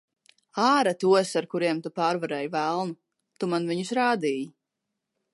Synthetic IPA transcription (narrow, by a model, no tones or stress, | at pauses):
aːɾat̪uɔsaɾkuɾiɛmt̪upaːɾvaɾɛjvælˠnu | t̪umanviɲusɾaːd̪iːji